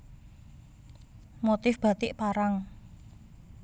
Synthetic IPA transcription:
mot̪ɪfb̥a̤t̪ɪʔpaɾaŋ

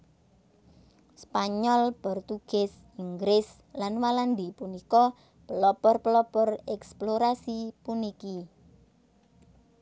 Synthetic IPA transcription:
spaɲɔlpɔrt̪uɡ̥ɛs | iŋɡɾɪs | lanwaland̪ipunikɔ | pəlɔpɔrpəlɔpɔrɛksploɾasipuniki

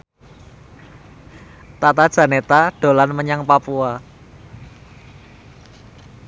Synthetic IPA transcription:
t̪at̪ad̥ʒ̥ä̤net̪aɖ̥o̤lanməɲaŋpapua

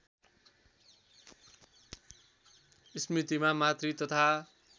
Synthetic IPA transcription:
smit̪imamat̪rit̪ʌt̪ʰa

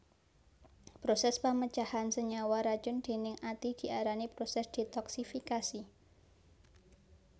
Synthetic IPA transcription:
pɾosɛspamət͡ʃahansəɲawaɾḁd͡ʒʊnd̪̥e̤nɪŋʔat̪id̪̥i̤aɾanipɾosɛsd̪̥e̤t̪ɔksifikasi

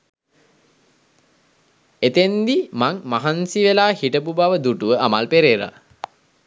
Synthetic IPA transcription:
et̪end̪imaŋmaɦansiʋelaːhiʈəpubaʋəd̪uʈuʋəamalpeɾeɾa̰

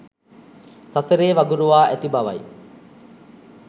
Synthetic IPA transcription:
saseɾeːʋaɡuɾuʋaːʔæt̪ibaʋɐ̰j

